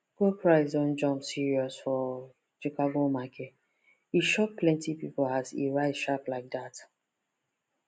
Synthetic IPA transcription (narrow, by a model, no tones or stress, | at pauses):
ɡ̥opʰɹaɪzɔ̃nd͡ʒɔ̃mpsiɹiɔsfɔ | t͡ʃikaɡomakʰet | iʃɔk̚plɛ̃ntipipolazḛɹaɪtʃaplaɪk̚dat